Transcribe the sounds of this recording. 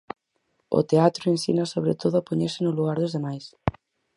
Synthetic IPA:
ʊ̰t̪eat̪ɾʊensḭnɐsoβ̞ɾet̪oðʊapoɲeɾsenʊluɣaɾðozðemajs

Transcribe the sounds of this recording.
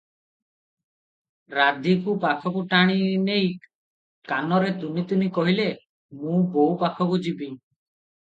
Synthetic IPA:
ɾad̪ʱikupakʰɔkuʈaɽ̃inej | kanɔɾet̪unit̪unikɔɦile | mũbowpakʰɔkud͡ʒibi

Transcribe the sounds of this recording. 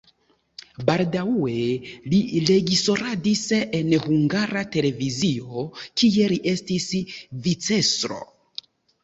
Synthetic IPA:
baldaue̞lile̞ɡiso̞ɾadise̞nhuŋɡaɾate̞le̞vizio̞kie̞liʔe̞stisvit͡se̞sɾo̞̰

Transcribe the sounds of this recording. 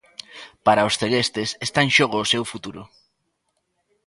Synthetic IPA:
paɾaosθeɣest̪esest̪aŋʃoɣ̞oːsewfut̪uɾʊ

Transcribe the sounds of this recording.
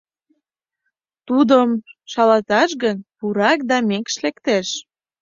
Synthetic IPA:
t̪ud̪əmʃɑlɑt̪ɑʃɣənpuɾɑk̚d̪ɑmekʃlekt̪eʃ

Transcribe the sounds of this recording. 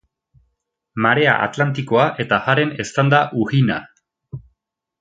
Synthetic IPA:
maɾe̞a̰ʔa̰t̪lant̪iko̞aʔe̞t̪aɣaɾe̞ne̞st̪and̪aʔuɣina̰

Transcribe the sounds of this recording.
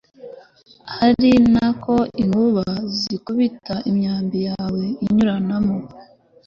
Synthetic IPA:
haɾinako̞iŋɡuβazikuβitaʔimɲaːmbijaːwe̞iɲuɾanamo

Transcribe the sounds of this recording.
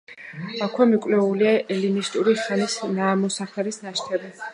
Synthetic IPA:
akʰwɛmikʼvlɛuliaɛlinist̪ʼuɾiχanisnaːmɔsaχlɛɾisnaʃt̪ʰɛbi

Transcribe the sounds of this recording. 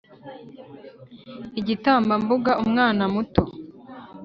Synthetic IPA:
iɟitaːmbambuɡaʔumŋaːnamuto

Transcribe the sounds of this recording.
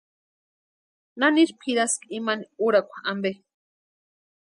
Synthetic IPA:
naniɾpʰiɾaskimaniuɾakʷḁambe

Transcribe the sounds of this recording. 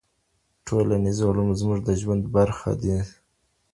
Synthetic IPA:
ʈʰolanizulumzmuʐd̪əʒwand̪baɾxa̰d̪i

